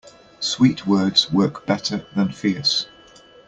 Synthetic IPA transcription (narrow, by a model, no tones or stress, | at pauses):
swiˑʔwɜːdz̥wɜˑkb̥ɛtʰəðə̃nfɪəs